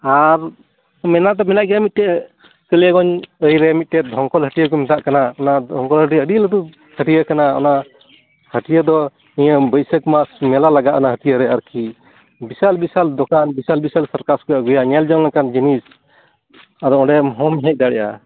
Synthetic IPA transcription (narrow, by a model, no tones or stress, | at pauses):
aɾ | mɛnaʔt̪ɔmɛnaʔɡɛjamit̪̚ʈɛ | kələkɔɲəjɾɛmit̪̚ʈɛd̪ʱɔŋkɔlɦəʈijəkɔmɛt̪aʔkanaɔnadʱɔŋkɔlɦəʈ̬iəɖiləd̪u | hʰəʈijəkanaɔ̰na | həʈijəd̪ɔ | ijəbəjsəkmasmɛlalaɡaʔnaɦət̪ijəɾɛaɾki | bisalbisald̪ɔkanbisalbisalsaɾkaɾskɔjaɡujaɲɛld͡ʒɔŋlakand͡ʒinis | ad̪ɔɔ̃ɖɛɦɔmɦɛc̚d̪aɽɛ̰ja̰